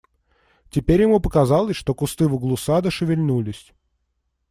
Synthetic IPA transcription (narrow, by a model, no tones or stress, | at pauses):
tʲɪpʲeɾʲjɪmupəkɐzalˠəsʲʂt̪o̞kʊst̪ɨvʊɡlˠʊsad̪əʂɨvʲɪlʲnulʲɪsʲ